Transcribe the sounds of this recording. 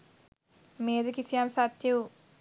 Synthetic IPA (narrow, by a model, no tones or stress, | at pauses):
meːd̪ɨkisijaːmsat̪jɐw